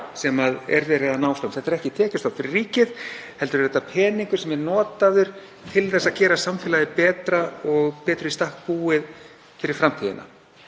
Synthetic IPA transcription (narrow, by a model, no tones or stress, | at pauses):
sɛmaðɛɾvɛːɾɪðanaːwfawmtθɛht̪ɛɾɛhcɪt̪ʰɛːcɪst̪ɔfɪɾɪɾriːcɪðhɛlt̪ʏɾvɛt̪ːapʰɛːniŋkʏ̥ɾsɛmɛɾnɔːt̪aðʏɾ̥ | t̪ʰɪlθɛsaðcɛːɾasamfɪlaðɪpɛːt̪ɾaɔɣpɛːt̪ɾʏist̪ahk̚puːɪð | fɪɾɪɾ̥fɾamt̪ʰiːðɪ̰na̰